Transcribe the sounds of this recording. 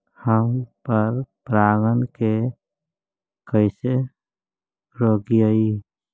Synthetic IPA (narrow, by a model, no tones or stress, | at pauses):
həmpəɾpɾaːɡənke | kəɪse | ɾoːɡiəi